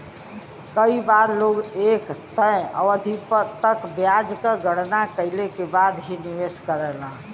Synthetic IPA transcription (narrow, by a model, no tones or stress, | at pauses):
kəibaɾloɡekt̪ə̃a̰wəd̪ʱipət̪əkbjad͡ʒkeɡəɽnakəɪlekebad̪ɦiniʋeskəɾɛlã